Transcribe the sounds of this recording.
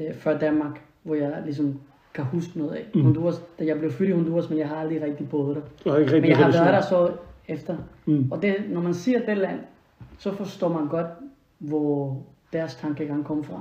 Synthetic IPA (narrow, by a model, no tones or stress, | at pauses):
fɶɐd̥ænmɑ̈ɡ̥ | ʋɒjɑ̈ɪlis̬ɒ̽m | kʰæhusɡ̥ənɔ̽ːð̞̩ˠɛhond̥uɐsd̥æjɑ̈ɪble̝ʊfyɾihond̥uːɐsmenjɑ̈ɪɦɑ̈ɑld̥ʁiʁɛɡ̥̚d̥ib̥ɔːðˠɾ̥emenɑhɑ̈ʋæɐɾɑsɒefd̥ɐɒ̽d̥e̝nɒmænsiɐd̥elæn̰ | sɒ̽fɒ̽sd̥ɔ̰ːmænɡ̥ɒ̽d̥ | ʋɒd̥æɐst͡sʰɑ̈ŋɡ̥əjaɡɑ̈ŋkʰɒ̽məfʁɑ̈